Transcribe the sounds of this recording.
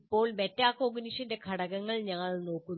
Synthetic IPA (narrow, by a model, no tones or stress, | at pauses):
ipːo̞ːɭmetːaːkoːɡɐniʂɐnde̞kʰɐɽɐɣɐŋːɐɭɲɐŋːɐɭno̞ːkːun